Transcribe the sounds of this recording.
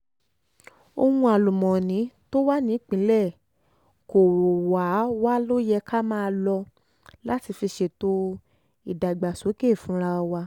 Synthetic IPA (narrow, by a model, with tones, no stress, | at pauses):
o˧hũ˧a˨lo˨mɔ̃˨nĩ˨˦to˦wa˦nĩ˨˦k͡pĩ˨˦lɛ˦˨ | ko˨ɾo˨wa˨˦wa˦lo˦jɛ˧ka˦mãː˦˧lɔ˧ | la˦ti˧fi˧ʃe˧to˧ | i˨da˨ɡ͡ba˨so˨˦ke˦˨fũ˨˦ɾa˧ɔ˧wa˧